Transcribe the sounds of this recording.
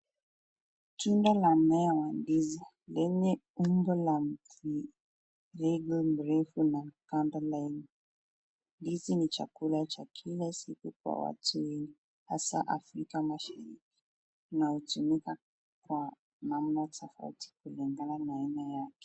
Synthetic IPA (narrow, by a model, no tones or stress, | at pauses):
tundalam̩nɛjawandizi | lɛɲɛumbɔlam̩ki | ɾɛɡlm̩ɾɛfunakandalani | ndizinit͡ʃa̰kulat͡ʃakʰilasikukwa̰wa̰tuwɛɲi | hasaʔafɾikamaʃaɾiki̥ | nahutumika | kwa | nam̩najatʰafa̰uti̥kuliŋɡananainajakɛ̥